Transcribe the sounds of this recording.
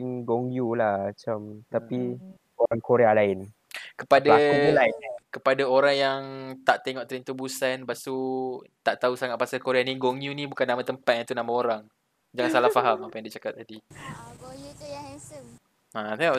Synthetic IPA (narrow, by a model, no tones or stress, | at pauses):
iŋɡoŋjulahmat͡ʃamt̪api | oɾaŋkoɾealaɪn | kəpadaailainkəpadaoɾaŋjaŋt̪aʔt̪eŋɔʔt̪əɾint̪ubusanbast̪ut̪aʔt̪ausaŋat̪̚pasalkoɾeaniɡoŋjunibukanːãmãt̪əmpat̪̚ãnt̪unamãoɾaŋ | d͡ʒaŋãnsalahfaɦamapajãŋdiat͡ʃakat̪̚ːadiɡousə | at̪eŋɔʔ